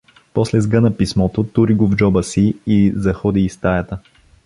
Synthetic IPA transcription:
pɔslɛzɡɤnɐpismɔt̪ot̪uɾiɡovd͡ʒɔbəsiːzɐxɔd̪iːst̪ajɐt̪ə

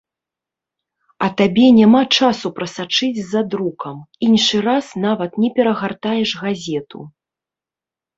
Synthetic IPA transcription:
ɐt̪abʲɛnʲamat͡ʂasupɾɐsat͡ʂɨd͡zʲzɐd̪ɾukɐminʂɨɾasnavɐt̪nʲɛpʲɛɾɐɣart̪ajɛʂɣazʲɛt̪ʰṵ

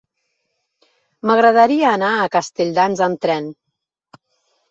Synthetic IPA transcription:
məɣɾəðəɾiəːnaəkəst̪eʎʲd̪anzənt̪ɾɛn

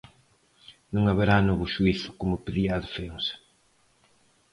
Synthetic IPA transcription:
nũŋaβeɾanɔβʊʃuiθʊ̥komʊpeðiaðofeŋs

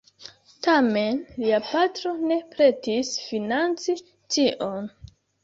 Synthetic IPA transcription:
tame̞nliapatɾo̞ne̞pɾe̞tisfinant͡si | tiʔon

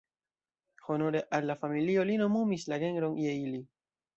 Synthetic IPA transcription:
ho̞no̞ɾe̞ʔalːafamilio̞lino̞mumislaɡe̞nɾo̞nje̞ili

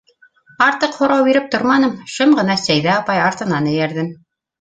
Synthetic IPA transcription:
ɑɾt̪ɤqhŏɾɑwbiɾɘp̚t̪oɾmɑnɤmʃɤmʁɤ̆nɑsæjðæɑpɑjɑɾt̪ɤ̆nɑnɘ̆jæɾðɘm

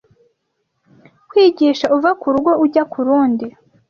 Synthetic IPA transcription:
kwiːɟiːʃauvakuɾuɡo̞uɟakuɾuːndi

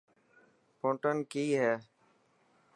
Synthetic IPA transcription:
pʰõːʈənkiːɦɛː

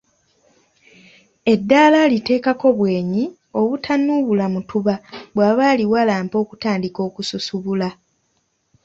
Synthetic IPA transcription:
e̞dːaːlalite̞ːkako̞βwe̞ːɲi | o̞βutʰanːuβulamutuβaβwaːβaːliwalaːmpo̞ːku̥taːndiko̞ːkususuβula

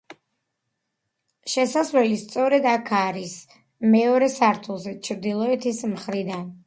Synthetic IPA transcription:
ʃɛsazvɛlist̪sʼɔɾɛd̪akʰaɾis | mɛɔɾɛsaɾt̪ʰulˠzɛt͡ʃʰɾd̪ilˠɔɛt̪ʰismχɾid̪an

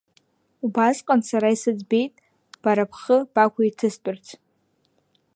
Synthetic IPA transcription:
ubasqʼansaɾaisɨd͡zbe̞jtʼ | b̥aɾapʰχəb̥akʷʰaitʰɨstʼʊrt͡sʰ

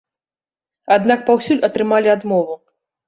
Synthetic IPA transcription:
ad̪nak̚pawsʲulʲʔɐt̪ɾɨmalʲiad̪mɔvu

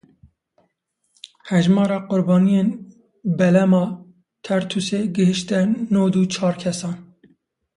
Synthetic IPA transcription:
hɛʒmɑːɾɑːqʊɾbɑːnijen | bɛlɛmɑː | t̪ʰɛɾt̪ʰuseːɡɨhɨʃt̪ɛnoːd̪ut͡ʃʰɑːɾkʲʰɛsɑːn

